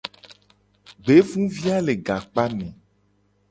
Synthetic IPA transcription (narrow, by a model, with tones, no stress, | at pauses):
ɡ͡be˨˦vũ˦vi˦a˦le˨ɡa˨k͡pa˦nɛ̃˨